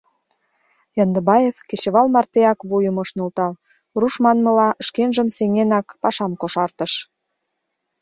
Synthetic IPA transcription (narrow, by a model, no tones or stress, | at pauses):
jɑnd̪ə̆bɑjefkeɕə̆βɑlmɑrt̪eɑkβujəmoʃnult̪ɑl | ruʃmɑnmə̆lɑʔəʃkenʒə̆mseŋenɑkpɑʃɑmkoʃɑrt̪ə̆ʃ